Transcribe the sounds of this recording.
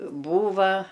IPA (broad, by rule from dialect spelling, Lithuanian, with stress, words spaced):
ˈbuːʋɐ